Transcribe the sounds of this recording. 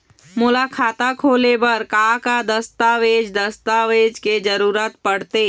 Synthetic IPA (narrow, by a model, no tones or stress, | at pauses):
mʊlaːkʰaːt̪akʰoːlebəɾkaːkad̪əst̪aːʋeːd͡ʒd̪əst̪aːʋeːd͡ʒked͡ʒəɾuːɾət̪pəɽt̪eː